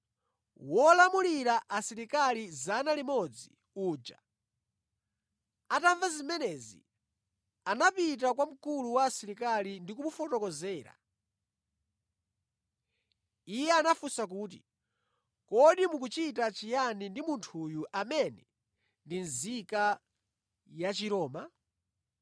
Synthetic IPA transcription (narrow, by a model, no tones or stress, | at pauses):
wɔlamuliɾaʔasiɾikalizanalimɔd͡zi | uːd͡ʒa | ataɱvazimɛnɛzḭ | anapit̬ak̬wam̩kuluwasiɾikalindikumufɔtɔkɔzɛːɾa̰ | ijɛanafusak̬uːtḭ | kɔɗimuk̬ut͡ʃitat͡ʃijanindimuntʰuːjuʔamɛnɛ | ndinzika | jat͡ʃiɾɔːma